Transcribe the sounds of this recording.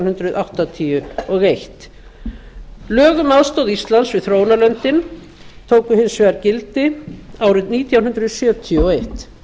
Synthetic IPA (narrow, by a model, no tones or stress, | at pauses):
hʏnt̪ɾʏðʔawht̪at̪ʰiʏɔɣejht̪ | lœːɣʏmaðst̪owðist̪lansvɪðθɾoːwnalœnt̪ɪn | t̪ʰoːwkʏhɪnsvɛɣaɾcɪlt̪ɪaːwɾɪðniːt̪ʰjawnɦʏnd̪ɾʏðsjœːt̪ʰijʏɔejht̪